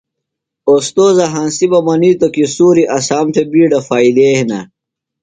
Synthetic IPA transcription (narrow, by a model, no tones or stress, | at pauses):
ost̪oːzɐɦãːnsibɐmɐniːt̪okisuːɾiʔɐsaːmt̪ʰebiːɖɐfaːid̪eːhinɐ